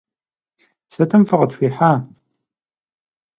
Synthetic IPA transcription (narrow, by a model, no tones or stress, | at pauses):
sɐtʰɐmfɨʁətɕʷiːħaː